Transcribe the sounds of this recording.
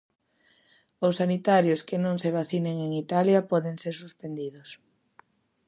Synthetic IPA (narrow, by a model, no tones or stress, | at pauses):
ʊsːanit̪aɾjʊskɪnõŋseβ̞aθineŋeŋit̪aljɐpɔðeŋseɾsuspend̪iðʊs